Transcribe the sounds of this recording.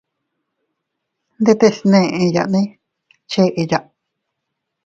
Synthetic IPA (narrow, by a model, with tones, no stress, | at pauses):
nd̪e˦˧t̪e˧snẽ˦˧ʔẽ˧ja̰˨ʔnĩ˦ | t͡ʃe˦ʔe˧ja˧˨ʔ